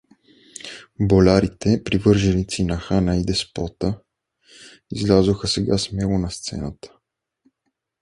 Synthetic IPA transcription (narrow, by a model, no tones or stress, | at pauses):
bolʲaɾit̪ɛpɾivɤɾʒɛlit̪sinaxanaid̪ɛspɔt̪ə | izlʲazoxəsɛɡasmɛlonɐst̪sɛ̰nat̪ə̥